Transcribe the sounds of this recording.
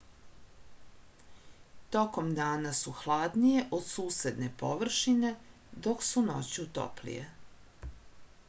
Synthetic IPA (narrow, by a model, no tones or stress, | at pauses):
t̪oko̞md̪aːnasuxlˠaːd̪nije̞ʔod̪suːse̞d̪ne̞poʋr̩ʃine̞ | d̪o̞ksunot͡ɕut̪o̰plḭjḛ